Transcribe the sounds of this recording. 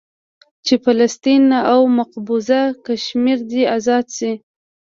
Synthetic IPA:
t͡ʃefalast̪inaʔawmaqbuzakaʃmiɾd̪iazɑd̪si

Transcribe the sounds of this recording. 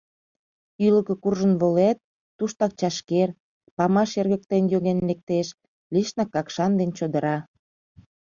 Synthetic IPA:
yləkə̆kurʒənβolet̪̚ː | uʃt̪ɑk̚t͡ɕɑʃker | pɑmɑʃerɣə̆k̚t̪enjoɣenlek̚t̪eʃ | liʃnɑkːɑkʃɑnd̪ent͡ɕod̪ə̆ɾɑ

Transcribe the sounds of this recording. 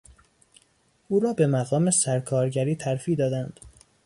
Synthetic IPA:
ʔuːɾɒːbe̞mæɣɒːme̞sæɾkʰɒːɾɟæɾiːt̪ʰæɾfiːd̪ɒːd̪ænd̪̥

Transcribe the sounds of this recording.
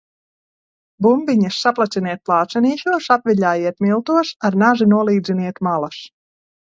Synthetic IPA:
bumbiɲɐsːaplˠat̪siniɛt̪̚plˠɑːt̪sɛniːʃuɔsapviʎʲaːjiɛt̪̚milˠt̪uɔsaɾnaʒinuɔlˠiːd̪zʲiniɛt̪malˠas

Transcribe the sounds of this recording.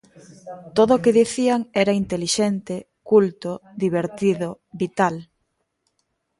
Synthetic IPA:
t̪oðoːkeðiθiaŋɛɾaint̪eliʃɛnt̪e | kult̪oðiβeɾt̪iðo | βit̪al

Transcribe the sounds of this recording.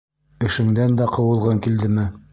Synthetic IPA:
ɘ̆ʃɘ̆ŋd̪ænd̪æqɤ̆wɤ̆lˠʁɤŋkild̪ɘmɘ

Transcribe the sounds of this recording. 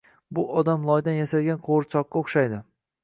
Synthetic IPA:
bʊʔɒd̪amlˠɒjd̪anjasalɡʲanqʰoɾt͡ʃʰɒqːɑoχʃajd̪ɪ

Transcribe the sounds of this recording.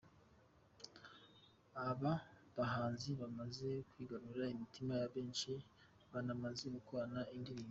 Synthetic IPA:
aβaβaɦaːnziβamaze̞kwiːɡaɾuɾaimitimajaβe̞ːnʃi | βanamaze̞ɡukoɾanaindiɾiːo

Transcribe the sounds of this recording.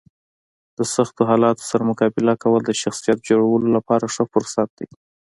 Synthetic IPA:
d̪̥əsaxt̪oɦɑlɑt̪o̥saɾamʊkɑbɪlakawəld̪əʃaxsijat̪̚d͡ʒoɽawəlolapɑɾaʂəfʊɾsat̪̚d̪̥aj

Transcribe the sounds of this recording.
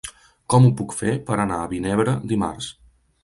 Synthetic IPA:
kɔmupukfepəɾənaəβineβɾəd̪ima̰rs

